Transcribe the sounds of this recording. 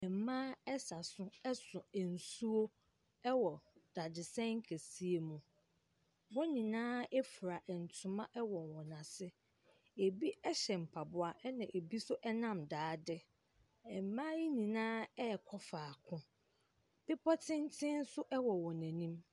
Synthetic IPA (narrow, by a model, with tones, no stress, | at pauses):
ɛ˨m̩˨mãː˦ɛ˦sa˨sʊ̃˦ɛ˦sʊ̃˨ɛ˨n̩˨su˦o˦ | ɛ˦wɔ˨d̥a˨dɪ˨sɛ̃˦ŋ̩˦kʰæ˨si˦e˨mũ˨ | wɔ˦nĩ˨nãː˦ɛ˦fu˨ɾa˨ʔɛ˨n̩˨tʰʊ̃˨mã˦ʔɛ˦wɔ̃˨nwɔ̃˨nã˨sɪ˦ | e˨bi˦ɛ˦ɕɛ˨m̩˨pʰa˨bʊ˦a˨ʔɛ˦nã˨ʔe˨bi˦sʊ˦ʔɛ˦nã˦mdaː˨˦dɪ˦ | ɛ˨m˨mã˦ji˦nĩ˨nãː˦ɛ˦˨kʰɔ˦faː˨kʰʊ̃˦ | b̥ɪ˦pʰɔ˦tʰɪ̃˦n˦tʰɪ̃˦n̩˦sʊ˦ʔɛ˦wɔ˨wɔ̃˨næ̃˨nĩ˦m